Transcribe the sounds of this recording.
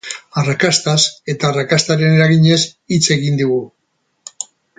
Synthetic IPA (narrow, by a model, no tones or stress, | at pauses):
arakast̪ase̞t̪aːrakast̪aɾe̞ne̞ɾaɣiɲe̞sit͡se̞ɣind̪uɣu